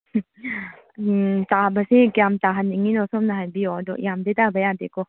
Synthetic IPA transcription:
tabasikijamtaɦanːiŋinɔsɔmnaɦajbiɔdɔjamdetabajadekɔ

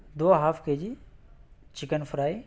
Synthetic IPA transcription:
d̪oːɦaːfʰked͡ʒi | t͡ʃɪkənfʰɾaːi

